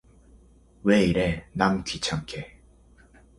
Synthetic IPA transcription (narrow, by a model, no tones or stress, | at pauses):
weiɾenamkʰit͡ɕʰaŋkʰe